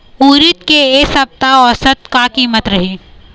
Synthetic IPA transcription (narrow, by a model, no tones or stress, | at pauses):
uːɾɪt̪keeːsɐb̚t̪aɔːsɐt̪kakiːmət̪ɾɐɦiː